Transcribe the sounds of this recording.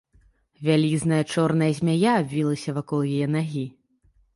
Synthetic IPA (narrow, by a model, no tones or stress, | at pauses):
vʲalʲiznɐjɐt͡ʂɔrnɐjɐzʲmʲajaːbʲvʲilˠɐsʲɐvakɔlˠjajɛn̪aɣʲi